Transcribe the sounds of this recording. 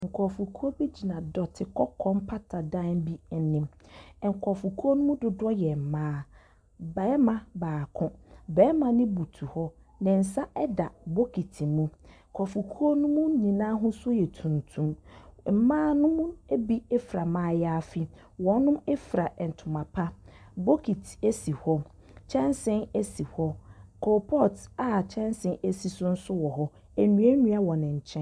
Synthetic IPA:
ŋ̩˨kʰɔ˨fu˨kʰu˦o˦bi˦d͡ʑi˨nã˨dɔ˨tʰɪ˨kʰɔ˦kʰɔ̃˦mpʰa˦tʰa˨dã˦n˦bi˦ɛ˨nɪ̃˨m˨ŋ̩˨kʰɔ˨fu˨kʰu˦o˦nʊ̃˦mũ˦dʊ˨dɔ˦jɛ˨m̩˨mãː˦ | bɛː˦mã˦baː˨kʰʊ̃˦bɛː˨˦mã˨nɪ̃˦bu˨tʰu˨hɔ˦ | nɪ̃˨n̩˨sa˦ʔɛ˦da˨bo˦kʰi˨tʰĩ˨mũ˦˨ | kʰɔ˨fu˨kʰu˦o˦nʊ̃˦mũ˦ɲĩ˨nãː˦ɦʊ̃˦sʊ˦jɛ˨tʰũ˨ntʰũ˦mm̩˨mãː˦nʊ̃˦mũ˦e˦bi˦ɛ˦fɾa˨mãː˨˦jɛ˦a˦fi˦˨ | wɔ̃˨˦n˦nʊ̃˦mɛ˦fɾa˨ʔɛ˨n̩˨tʰʊ̃˨mã˨pʰa˦bo˦kʰi˨tʰe˦si˨hɔ˦ | t͡ɕʰɛ̃˦nsɪ̃˦ne˦si˨hɔ˦kʰɔ˨pʰɔ˦˨ta˨t͡ɕʰɛ̃˦nsɪ̃˨ne˦si˨sʊ˦n̩˦sʊ˦wɔ˨ɦɔ˦ | ɛ˨nũ˨˦e˦nũ˦a˦wɔ˨nɪ̃˨ɲ̩˨t͡ɕʰɛ̃˦

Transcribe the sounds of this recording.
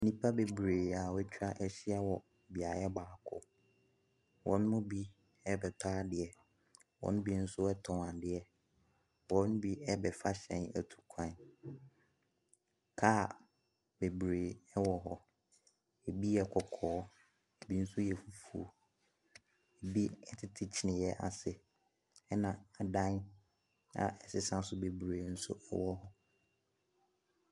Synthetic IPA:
nĩ˦pʰa˦be˨bɾeː˨a˨wɛ˦t͡ɕʰᶣa˦ʔɛ˦ɕɪ˦ɛ˦wɔ˨ | bi˨a˨jɛ˦baː˨kʰʊ̰˨ | wʔɔ̰̃˨˦n˦mʊ̃˦bi˦ | ɛ˦bɛ˨tʰaː˦dɪ˨ɛ˨ | wɔ̰̃˦ñ˦bi˦n̩˦sʊ˦ɛ˦tʰɔ̃˨a˨dɪ˨ɛ˨ | wɔ̃˨˦n˦bi˦ɛ˦bɛ˨fa˦ɕɛ̰̃˨næ˨tʰu̥˨kʷʰã˦˨n | kʰaː˦˨ | be˨bɾeː˨ɛ˦wɔ˦ɦɔ˦ | e˨bi˦jɛ˦kʰɔ˨kʰɔː˨˦ | e˨bi˦n̩˦sʊ˦jɛ˨fu˨fu˨o̰˨ | e˨bi˦ɛ˦tʰɪ˦tʰɪ˦t͡ɕʰi˦nɪ̃˨jɛ˦ʔa̰˨sɪ˨ | ɛ˦nã˨a˨dã˦n | a̰˨ʔɛ˨sɪ˦sã˦sʊ˦be˨bɾeː˨˦n̩˦sʊ̰˦ʔɛ˦wɔ˦ɦɔ˦

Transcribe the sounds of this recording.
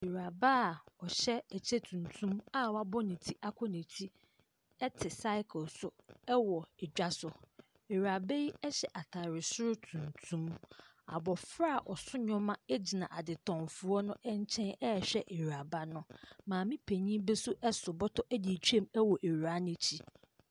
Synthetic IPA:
e˨ɾa˨ba˦˨ɔ˨ɕɛ˦æ˨t͡ɕʰe˦tʰũ˨ntʰũ˦ma˦wa˦bɔ˦nĩ˨tʰi˦ʔa˦kʷʰɔ˦nĩ˨tʰi˦ | ɛ˦tʰɪ˨sa˦ɪ˦kʰlsʊ˨ɛ˦wɔ˨ɛ˨d͡ʑᶣa˦sʊ˨ | e˨ɥa˨be˦ji˦ɛ˦ɕɛ˨ʔa˨tʰa˨ɾɪ˨sʊ˦ɾʊ˦tʰũ˨ntʰũ˦m | a̰˨bɔ˨fɾa˦˨ʔɔ˨sʊ˦ɲɔ̃˦mã˦e˦d͡ʑi˨nã˨ʔa˨dɪ˨tʰɔ̃˨mfʊ˨ɔ˦nʊ̃˦ʔɛ˦ɲ˦t͡ɕʰɛ̃˦nɛ˦ɛ˨ɕᶣɛ˦ʔe˨ɾa˨ba˦nʊ̃˦mãː˨mĩ˦pʰe˨ɲĩ˦bɛ˦sʊ˦ʔɛ˦sʊ˨bɔ˦tʰɔ˦ʔæ˦di˨t͡ɕʰᶣu˦e˦˨mɛ˦wɔ˨ʔe˨ɥa˦nɪ̃˦t͡ɕʰi˦

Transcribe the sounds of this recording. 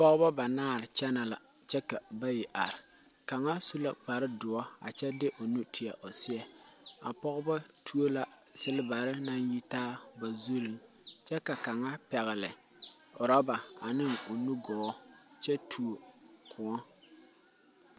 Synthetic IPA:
pɔ˦ɣba˦ba˨naː˦˨ɾɪ˨t͡ʃɛ˦na˨la˨ | t͡ʃɛ˦ka˨ba˦jɪ˨ʔa˨ɾɪ˨ | ka˨ŋa˦su˦la˨k͡pa˨ɾɪ˦dʊ˨ɔ˦a̰˨t͡ʃɛ˦dɪ˦ʔo˨nu˦tɪ˨ɛ˨ʔo˨sɪ˦ɛ˨a̰˨pɔ˦ɣʊ˦ba˦tʰu˦o˦la˨ | sɪ˦lɪ˦ba˨ɾɪ˦na˦nji˦taː˦ba˨zu˦li˨ŋt͡ʃɛ˦ka˨ka˨ŋa˦pɛ˨ɣɪ˨lɪ˨ | ʊ˨ɾɔ˦ba˨a˨nɪ˦ŋo˨nu˦ɡɔː˨˦t͡ʃɛ˦tʰu˨o˨kʰʊ˨ŋɔ˦

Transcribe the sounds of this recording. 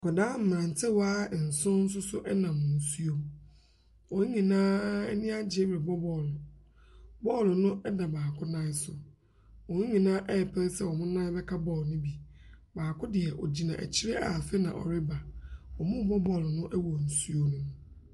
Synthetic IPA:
kɔ˨dãː˦m̩˨m˨ɾã˨n˨tʰɪ˦wa˦˨n̩˨sʊ̃˦n̩˦s̬ʊ˦sʊ˦ʔɛ˦nã˨m̩ːʊ̃˨n̩˨su˦o˦m | ɔ̃˨˦ɲĩ˨nãː˦ɛ˦nɪ̃˦a˦d͡ʑɪ˨ɛ˦bɪ˨bɔ˦bɔ˨l | bɔ˦˨lnʊ̃˦ɛ˦da˨baː˨kʰʊ˦nã˦sʊ˨ | wɔ̃˨˦ɲĩ˨nãː˦ʔɛ˦ɛ˨pʰɛ˦ɾsɛ˦wɔ˨mʊ̃˦nã˦bɛ˦kʰa˦bɔ˦˨lnʊ̃˦bi˨ | baː˨kʰʊ˦dɪ˨ɛ˨ʔɔ̰˨d͡ʑi˨nã̰˨ʔæ̰˨t͡ɕʰi˦ɾe˦ʔa̰˨fɛ˦nã̰˨ʔɔ̰˨ɾɪ˦ba˨wɔ˨mʊ̃˦˨bɔ˦bɔ˨lnʊ̃˦ʔɛ˦wɔ˨n̩˨su˦o˦nũ˦m

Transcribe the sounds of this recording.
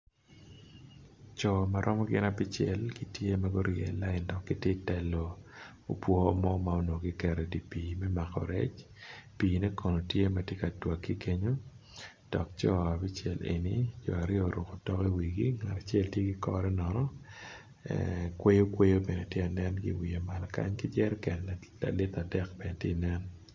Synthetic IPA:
t͡ʃɔ˨ma˨ɾʔɔ˦mɔ˦ɡɪ˦na˨bi˦t͡ʃɛ˨lɡi˦tje˦ma˦ɡo˦ɾjɛː˨la˦ɪ˨ndɔ˨kːi˦tɪ˦tɛ˨lo˨ | o˦pwɔ˦mɔ˦ma˦o˦no˨ɡi˦kɛ˨ɾɛ˨di˨piː˨mɛ˦ma˨kɔ̰˨ɾɛ˦t͡ʃ | piː˨nɛ˦ko˨no˨tje˦ma˨tje˦ka˨twa˨kːi˦ke˦ɲo˦ | d̥ɔ˨k̚t͡ʃɔ˦a˨bi˦t͡ʃɛ̰˨lḛ˨ni˦d͡ʒɔ̰˨a˨ɾjɔ˦˨ɾʊ˨ko˨tɔ˦ke˦wi˨ɡi˦ŋa˨a˨t͡ʃɛ˦ltje˦ɡi˦kɔ̰˦ɾɛ˦nɔ˨nɔ˦ | kwe˦jo˦kwe˦jo˦be˨nɛ˨tje˦a˨nɛ˦nɡḭ˦wi˨e˨ma˨lka̰˦ɲki˦d͡ʒɛ˦ɾkɛ˨nla̰˨lɪ˦t̪a˨dɛ˦k̚b̥ɛ˨ne˨tje˦nɛ˦n

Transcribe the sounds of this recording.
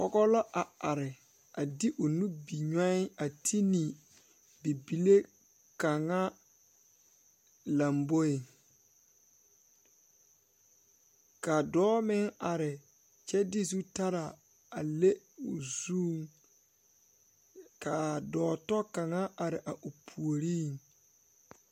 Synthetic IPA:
pɔ˦ɡɔ˦lɔ˦ʔa˨a˨ɾɪ˨ | a˨di˦ʔʊ˨nu˦bi˨ɲɔ˦ɪ˦a˨tʰi˦ni˨ | bi˨bi˨le˦ | ka˨ŋa˦ | la˨mbo˦i˨ | ka˨dɔː˦mɪ˦ŋa˨ɾɪ˨ | t͡ʃɛ˦dɪ˦zu˦ta˦ɾa˨ | a˨le˦ | ʊ˨zuː˦ŋ | ka˨dɔː˨˦tɔ˦ka˨ŋa˦a˨ɾɪ˨ʔa˨ʔo˨pʰu˨o˨ɾiː˦˨ŋ

